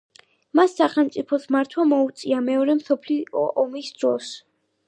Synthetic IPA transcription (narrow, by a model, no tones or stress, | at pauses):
masːaχɛlˠmt̪sʼipʰɔsmaɾt̪ʰwamɔut̪sʼiamɛɔɾɛmsɔpʰliɔmisd̪ɾɔs